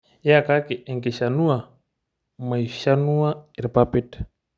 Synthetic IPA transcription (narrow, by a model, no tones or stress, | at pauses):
jakakiʔeŋkeʃanua | maiʃanuaiɾpapit